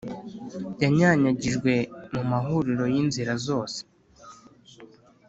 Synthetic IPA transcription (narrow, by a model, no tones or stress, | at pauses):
ɟaɲaɲaɟiʒɡwe̞mumaɦuɾiɾo̞jinziɾazo̞ːse̥